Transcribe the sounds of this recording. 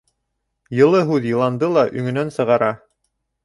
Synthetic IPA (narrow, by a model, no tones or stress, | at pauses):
jɤ̆lˠɤɦʉðjɤ̆lˠɑnd̪ɤlˠɑʔɵ̆ŋɵ̆nænsɤ̆ʁɑɾɑ